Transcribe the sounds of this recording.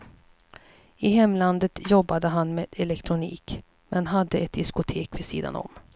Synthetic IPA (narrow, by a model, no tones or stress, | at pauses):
ɪɦɛmːland̪ət̪jɔbːad̪əɦanmeːd̪̥ɛlɛkt̪ʰɾʊniːk | mʔɛnɦad̪ːəɛt̪̚d̪ɪskʊt̪ʰeːkvɪsḭːd̪a̰nɔ̰m